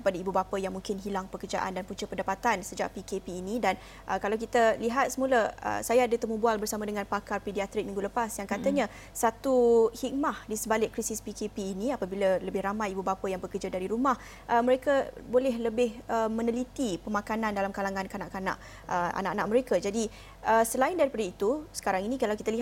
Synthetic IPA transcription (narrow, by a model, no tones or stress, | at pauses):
kə̥padaibubapajaŋmuŋkɪnɦilaŋpəkərd͡ʒa̰ʔa̰ndanpuɲt͡ʃəpəndapat̪ansəd͡ʒa̰ʔpikepiːnidan | ʔəkalawk̬it̪aliɦat̪̚səmuləə̰sajaadat̪əmubualbərsamadəŋãnpakarpediat̪ɾɪk̚miŋɡuləpasjaŋkat̪aɲa | sat̪uhik̚mahdisəbalɪʔkɾisɪspikepiːniapabilaləbɪhɾamajibubapəjaŋbəkərd͡ʒadaɾiɾumah | ʔəməɾekabolɛɦləbɪhəmə̃nəlit̪ipəmakanandalamkalaŋankanaʔkana̰ʔ | ʔəa̰na̰ʔanaʔ̚məɾekad͡ʒadi | əsəlaɪndaɾipadəit̪usə̥kaɾaŋinĩkalawkit̪aliɦ